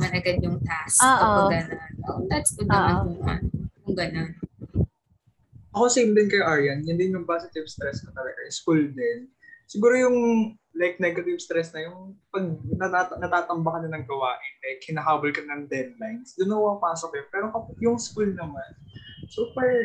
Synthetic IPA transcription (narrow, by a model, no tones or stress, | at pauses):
mɐnɐɡɐd̪̚jʊŋt̪asoːʔɐɡɐnanod̪at̪st̪ʊnɐmjʊŋma̰nkʊŋɡɐnon | ʔɐkosejmd̪ɪnkɐjʔaɹjɐnjɪnd̪ɪnmɐmpaːsɪt̪ɪvst̪ɾɛsk̪ɐt̪ɐlɛɡɐjskuld̪ɪn | sɪɡuːɾojʊŋ | lajk̚nɛɡɐt̪ɪvst̪ɾɛsnɐjʊŋpɐɡ̚nɐt̪aːt̪nɐt̪aːt̪ɐmbɐkɐnɐnɐŋɡɐwaːʔɪnlɐjɡhɪnɐɦaːbɐlkɐnɐŋd̪ɛd̪̚lajnsd̪ʊnɐɐpaːsok̚ːjopɛːɾokɐpjʊŋskulnɐmansupɛɹ